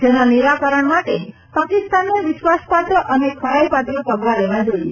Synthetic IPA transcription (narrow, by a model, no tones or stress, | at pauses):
d͡ʒenaneɾakəɾəɳmaʈe | pakɪst̪anːũʋɪʃʋaspat̪ɾəʔənekʰəɭajpat̪ɾəpəɡʋaleʋad͡ʒoie